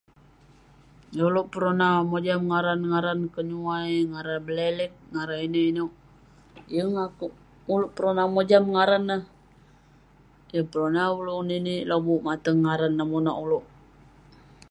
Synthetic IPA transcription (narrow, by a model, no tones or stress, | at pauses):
jauloʔpəɾonamod͡ʒamŋaɾanŋaɾankəɲuajŋaɾanbəlelɛk̚ŋaɾainiinuʔ | jəŋak | uluʔpəɾonamod͡ʒamŋaɾanːah | jəpəɾonauloninilobuʔmat̪əŋːaɾanːamonaʔuloʔ